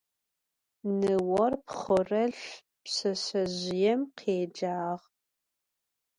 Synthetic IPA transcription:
nɨwɔrpχʊrɐɬ | psɐɕɐʑɪjɛmqʰeːd͡ʒaːʁ

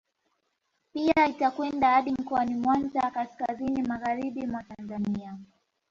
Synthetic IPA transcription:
piaitakwɛndahaɗim̩kɔanimwanzakaskazinimaɣaɾiɓimwatanzania

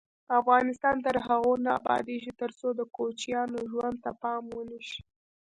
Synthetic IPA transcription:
afɣɑnɪst̪ɑnt̪əɾɦaɣona̰ːbɑ̰d̪eʒit̪əɾsod̪əkot͡ʃjɑnoʒwand̪̚t̪apɑmwəniʃi̥

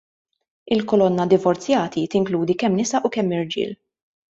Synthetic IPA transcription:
ɪlkɔlɔnːɐd̪ɪvɔɾt͡sjɐːt̪it̪ɪŋkluːd̪ikɛmːnɪsɐʔukɛmːɪɾd͡ʒɪ̰ːl

